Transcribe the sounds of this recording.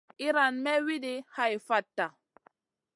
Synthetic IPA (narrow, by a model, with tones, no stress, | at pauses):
i˦ɾa˨nmɛ˦wi˦di˦ha˦i˨fa˦tːa˨